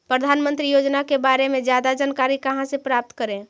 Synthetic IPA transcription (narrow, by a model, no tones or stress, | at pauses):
pɾəd̪ʱaːnmə̃nt̪ɾijoːd͡ʒnakebaɾemẽd͡ʒjaːd̪ad͡ʒənkaːɾikɐɦãsepɾaːp̚t̪kəɾẽ